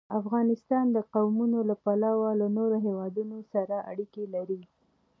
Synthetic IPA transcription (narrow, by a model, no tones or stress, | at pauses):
afɣɑnɪst̪ɑnd̪əqawmunolapalɑwalanoɾoɦewɑd̪unosaɾaʔa̰ɽikelaɾi